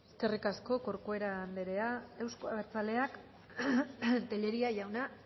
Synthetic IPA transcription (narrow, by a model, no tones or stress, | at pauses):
eske̞rikasko̞koɾkoe̞ɾaːnd̪eɾe̞ae̞wskoaβeɾt͡sale̞ak | t̪eʎe̞ɾiaʝawna